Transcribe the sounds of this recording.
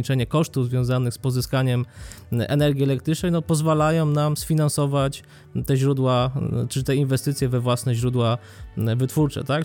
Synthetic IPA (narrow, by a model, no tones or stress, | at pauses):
it͡ʂɛɲɛkɔʂt̪uvzvʲjɔ̃zanɘxspɔzɘskaɲɛmʔɛ̰nɛɾɡʲiɛlɛk̚t̪ɾɘt͡ʂnɛjnɔpɔzvalajɔ̃w̃namsfʲinansɔvat͡ɕ | t̪ɛʑɾud̪wat͡ʂɘt̪ɛinvɛst̪ɘt̪sʲjɛvɛvwasnɛʑɾud̪wa | vɘt̪fuɾt͡ʂɛ̰t̪ak